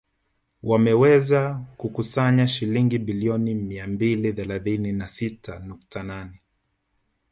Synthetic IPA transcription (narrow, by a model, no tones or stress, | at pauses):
wʔamɛwɛzakukusaɲaʃiliŋɡiɓiliɔnimiambiliθɛlaθininasitʰanuk̚tʰananɛ